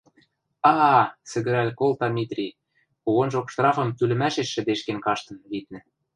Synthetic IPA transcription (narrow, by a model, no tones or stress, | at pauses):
ɑsɘ̆ɣɘ̆ɾælʲkolˠt̪ɑmʲit̪rʲi | kuɣonʒokʃt̪rɑfɤ̆mt̪ylɘ̆mæʃeʃːɘ̆d̪eʃkenkɑʃt̪ɤ̆nlit̪̚nɘ̆